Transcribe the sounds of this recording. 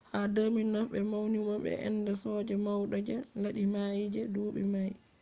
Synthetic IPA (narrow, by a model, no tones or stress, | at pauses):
hadəːminɔfɓɛmawnimaɓɛ̰ʔɛ̰nːdasɔːd͡ʒɛmawɗad͡ʒɛlaɗimajd͡ʒɛduːɓɛmaj